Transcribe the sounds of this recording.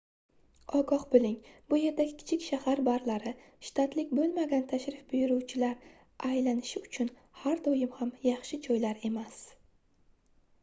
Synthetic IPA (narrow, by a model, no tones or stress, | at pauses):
ɒɡɒχbɪlɪŋbʊje̞ɾd̪aɡʲɪkʲʰɪ̥t͡ʃʰɪkʲʃahaɾbaɾlaɾɪ | ʃt̪ʰat̪lɪkʲbolˠmaɡʲant̪ʰaʃɾɪfbʊjʊɾuwt͡ʃʰɪlaɾ | ʔajlanɪʃɪʊt͡ʃʰʊn | haɾd̪ojɪmhamjɑχʃɪd͡ʒɒjlaɾe̞mas